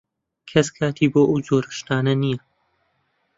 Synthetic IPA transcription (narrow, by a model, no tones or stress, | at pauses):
kʰɐskʰaːt̪ʰiːboːʔɐwzoːɾɨʃt̪aːnɐnijɐ